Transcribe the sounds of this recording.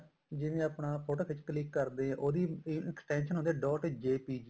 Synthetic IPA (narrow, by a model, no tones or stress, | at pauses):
d͡ʒɪːʋẽːəpnaːpʰoːʈoːkʰɪt͡ʃkəlɪkːəɾd̪eːɦɛ̃ːʔoːd̪iːɪksʈɛːnʃənɦond̪eɛːɖɔːʈd͡ʒeːpiːd͡ʒiː